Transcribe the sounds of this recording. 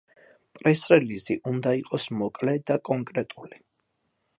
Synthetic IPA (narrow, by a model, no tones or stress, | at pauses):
pʼɾɛsɾɛliziʔund̪aiqʼɔsmɔkʼlɛd̪akʼɔŋkʼɾɛt̪ʼuli